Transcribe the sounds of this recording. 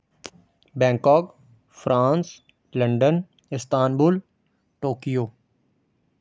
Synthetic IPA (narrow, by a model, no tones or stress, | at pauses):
bɛ̃ːŋkɔːk | fɾʔãːns | lə̃ɳɖən | ɪst̪aːnbuːl | ʈoːkijoː